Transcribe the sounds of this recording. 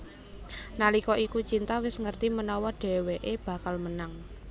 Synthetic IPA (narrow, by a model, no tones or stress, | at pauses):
nalikɔʔikut͡ʃint̪awɪsŋərt̪imənɔwɔɖ̥ɛ̤weʔeb̥ä̤kalmənaŋ